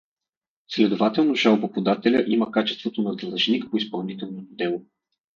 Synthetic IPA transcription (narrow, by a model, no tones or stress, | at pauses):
slɛd̪ovat̪ɛlˠnoʃalˠbopod̪at̪ɛlʲəʔiməkat͡ʃɛst̪vot̪onɐd̪lˠɐʒnikpoispɐlˠnit̪ɛlˠnot̪od̪ɛlˠo